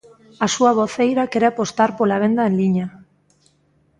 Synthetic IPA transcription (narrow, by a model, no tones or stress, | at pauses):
asuaβ̞oθejɾakeɾeapo̞st̪aɾpolaβ̞e̞nd̪aenliɲa